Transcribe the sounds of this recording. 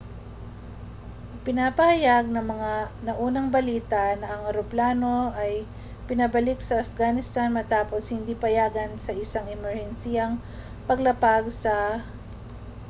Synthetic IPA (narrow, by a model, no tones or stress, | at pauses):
pɪnaːpɐhɐjaɡ̚nɐŋmɐŋanɐʔuːnɐŋbɐliːt̪ɐnɐʔɐŋɐɾoplaːno̞ʔɐj | pɪnɐbɐlɪksɐʔːfɡanɪst̪anmɐt̪aːpo̞shɪnd̪iːpɐjaːɡɐnsɐʔɪsaŋɪmɛɹhɛnsiːjɐŋ | pɐɡlɐpaɡsɐ